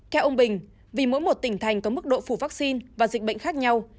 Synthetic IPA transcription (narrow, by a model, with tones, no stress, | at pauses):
k̪ʰɛ˧wʔə˧wŋ͡mɓï˨˩ŋ̟ | vi˨˩mo̰˧˥jmo˨˩t̚t̪ï˧˩ŋ̟t̪ʰa˨˩jŋ̟kɔ˨˦mɨ˦˥k̚ɗo̰˧˨fu˧˩vaː˦˥k̚si˧nvaː˨˩zi˨˩ɓə̰˧˨ŋ̟xaː˦˥k̚ɲa˧w